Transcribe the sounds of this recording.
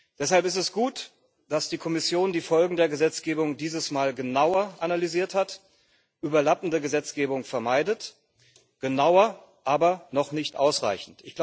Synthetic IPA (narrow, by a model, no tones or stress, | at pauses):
d̥ɛshalpɪstɛsɡ̥uːt | d̥asd̥iːkʰɔmɪsjoːndiːfɔlɡŋ̩deːɐɡəzɛt͡sɡ̥eːbʊŋdiːzəsmaːlɡənaʊɐʔanalyziːɐthat | ʔyːbɐlapn̩dəɡəzɛt͡sɡ̥eːbʊŋfɛɐmaɪdət | ɡ̥ənaʊɐ | ʔaːbɐnɔχnɪçtʔa̰ʊsʁa̰ɪçn̩tɪçɡ̥la